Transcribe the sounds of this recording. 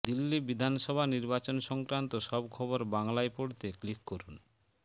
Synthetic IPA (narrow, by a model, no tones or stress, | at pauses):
d̪ilːibid̪ʱanʃɔbʱaniɾbat͡ɕonʃɔŋkɾant̪oʃɔbkʰɔboɾbaŋlaepoɽt̪eklikːoɾun